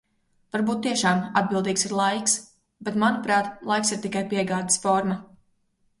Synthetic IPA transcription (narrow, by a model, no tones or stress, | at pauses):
vaɾbuːt̪t̪ːiɛʃaːmad̪̚bilˠd̪iːksiɾlˠajks | bɛt̪manupɾaːt̪lˠajksiɾt̪ikajpiɛɡaːd̪əsfɔɾma